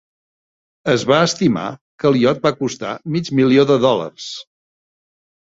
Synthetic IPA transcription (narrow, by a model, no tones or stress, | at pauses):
əzβaəst̪ima̰kəlˠjɔt̪̚bakust̪a̰mid͡ʒmilioðəðɔlə̰rs